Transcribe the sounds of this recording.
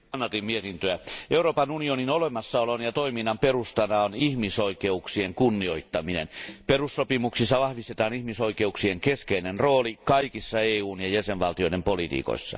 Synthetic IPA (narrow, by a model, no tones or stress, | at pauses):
nːɑrt̪immiet̪int̪øæeuroːpɑnunioninolemɑsːɑolonjɑt̪oiminːɑmperust̪ɑnɑonihmisoikeuksieŋkunːioit̪ːɑminḛnperusːopimuksisːɑʋɑhʋist̪et̪ɑːnihmisoikeuksieŋkeskeinenroːlikɑikisːɑeːuːnjɑjæseʋʋɑlt̪ijoĭɾempolit̪ḭːko̰isːɑ̰